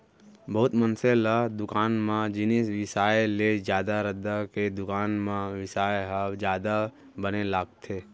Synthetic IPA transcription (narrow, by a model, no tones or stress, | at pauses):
bəɦʊt̪mənselad̪ʊkaːnmãd͡ʒɪnɪsʋɪsaːjled͡ʒjaːd̪aɾəd̪aked̪ʊkaːnmãʋɪsaːjɦad͡ʒjaːd̪a | bənelaːɡt̪ʰeː